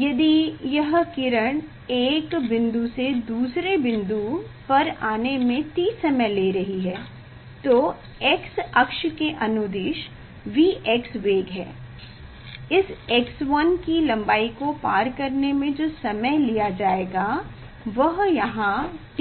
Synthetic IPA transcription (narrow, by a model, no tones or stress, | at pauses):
jɐd̪ijɐɦkɪɾəɽ̃ | eːkbɪ̃nd̪used̪uːsɾebɪ̃nd̪upɐɾaːnemẽt̪iːsɐməleːɾɐɦiɦɛː | t̪oː | ɛksɐkʃkeʔɐnʊd̪ɪʃ | ʋiːʔɛksʋeːɡɦɛ̰ː | ɪsɛksʋɐnkilɐ̃mbaːikopaːɾkɐɾnemẽd͡ʒoːsɐməjlijad͡ʒaːeːɡa | ʋɐɦjɐɦãʈ